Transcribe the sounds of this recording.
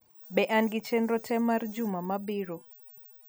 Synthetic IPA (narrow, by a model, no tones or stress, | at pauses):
bɛʔanɡɪt͡ʃenɾɔtʰɛmard͡ʒʊmamabiɾo